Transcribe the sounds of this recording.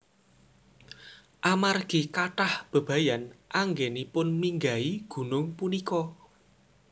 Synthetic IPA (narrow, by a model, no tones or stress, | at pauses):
ʔamarɡ̥i̤kaʈahb̥ə̤b̥a̤janʔaŋɡenipʊnmiŋɡaiɡ̥ṳnʊŋpunikɔ